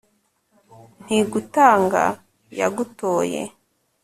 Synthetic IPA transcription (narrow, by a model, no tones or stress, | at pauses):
n̥iɡutaːŋɡa̰ | jaɡuto̞ːjḛ